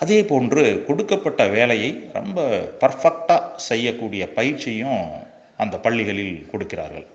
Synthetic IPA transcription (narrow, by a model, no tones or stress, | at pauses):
ʔɐðeːpoːndrɯkɔɽɯkːɐpːɐʈːɐʋeːlɐjɐɪɾɔ̰mbɐpɐɾfɐk̚ʈaːsɛjːɐkːuːɽɪjɐpɐjɪɾt͡ʃːɪjʊ̃ | ʔɐnd̪ɐpɐɭːɪɣɐɭɪlkɔɽɯkːɪra̰ːɾɣɐ̰ɭ